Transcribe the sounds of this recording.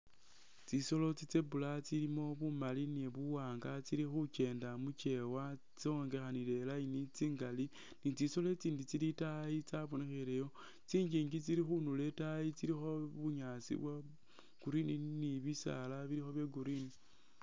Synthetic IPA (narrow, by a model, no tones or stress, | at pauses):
t͡siso̞lo̞t͡sit͡sebulat͡silimo̞βumalineβuwaːŋɡat͡siɾixuce̞ːndamut͡ʃe̞wa | t͡sioŋɡe̞xanile̞lainit͡siːŋɡali | nit͡siso̞le̞t͡siːndit͡silitait͡saβonexiɾejo̞ | t͡siːɲd͡ʒiːŋɡit͡siɾixunule̞tait͡siɾixo̞βuɲasḭβwa | ɡ̥uɾininiβisa̰laβiɾixo̞βjeɡuɾini